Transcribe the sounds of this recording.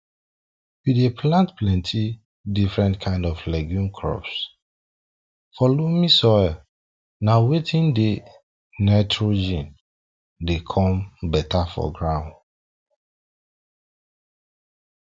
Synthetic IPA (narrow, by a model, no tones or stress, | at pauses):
widepʰlãntplɛ̃ntʰi | difɹɛ̃ntkʰãɪ̃ndɔflɛɡjũmkʰɹɔ̰ps | fɔlomisɔ | nawetʰĩnde | naɪtʰɹod͡ʒĩn | dekʰɔ̃mbɛtʰafɔ̰ɡɹãʊ̃nd